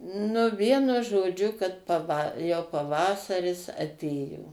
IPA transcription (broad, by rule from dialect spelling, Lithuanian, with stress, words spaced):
nʊ ˈʋʲiɛnʊ ʒoːˈd͡ʒʲʊ kɐt pɐˈʋɐ jɛʊ pɐˈʋɑːsɐrʲɪs ɐˈtʲeːjoː